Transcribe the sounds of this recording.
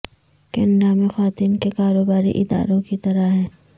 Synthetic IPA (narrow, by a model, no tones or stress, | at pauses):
kɪɳɖamẽxaːt̪iːnkekaːɾoːbaːɾḭʔɪd̪a̰ːɾõkit̪ɐɾaɦɛː